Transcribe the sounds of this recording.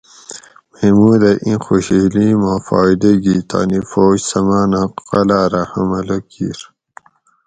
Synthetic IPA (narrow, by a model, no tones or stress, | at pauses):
memuːd̪ɐʔĩxoɕilimaːfaːid̪eɡit̪a̰ːnifoːd͡ʑsɐmaːnaqɐlaːɾahɐmɐlɐkḭːɾ